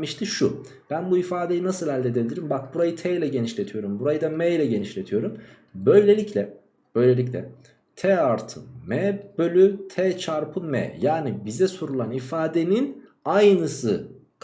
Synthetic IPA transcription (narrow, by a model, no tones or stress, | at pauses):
miʃt̪ʰiʃu | b̥ænbuifaːd̪e̞jinasɯlˠhɛlʲd̪ed̪eilʲiɾimbak̚buɾajɯt̪ʰɛjlʲɛɟe̞niʃlʲe̞t̪ʰijo̞ɾumbuɾajɯd̪amɛjlʲɛɟe̞niʃlʲe̞t̪ʰijo̞ɾum | bø̞jlʲe̞lʲiclʲɛ | b̥ø̞jlʲe̞lʲicʲlʲɛ̰ | t̪ʰɛaɾt̪ʰɯ̰mɛb̥ølʲyt̪ʰɛt͡ʃʰaɾpʰɯmɛ̰jaːnibizɛsuɾulˠanifaːd̪e̞nin | ajnɯsɯ | k